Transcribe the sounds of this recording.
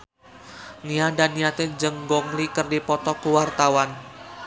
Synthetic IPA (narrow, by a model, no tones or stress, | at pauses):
ŋiadanijat̪ed͡ʒəŋɡɔŋlikərdipɔt̪ɔkəwart̪awan